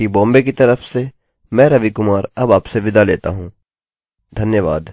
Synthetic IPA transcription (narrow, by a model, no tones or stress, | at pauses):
ibɔ̃ːmbekit̪ɐɾəfse | mɛ̃ːɾɐʋikʊmaːɾɐbaːpseʋɪd̪alḛːt̪a̰ɦũː | d̪ʱɐnjəʋa̰ːd̪